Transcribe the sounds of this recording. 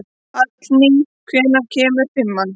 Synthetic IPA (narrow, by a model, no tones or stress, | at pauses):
at̪lniŋkʰvɛːnacʰɛːmʏɾ̥fɪmːan